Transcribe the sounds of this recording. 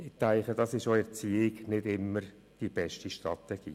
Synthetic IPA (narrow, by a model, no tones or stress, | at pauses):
ɪt̪æɪχədɑsɪʃoɛt͡siːɪɡnɪdɪmːəɾ | d̥ib̥ɛʃtiʃtrɑ̰t̪ɛɡ̥ḭː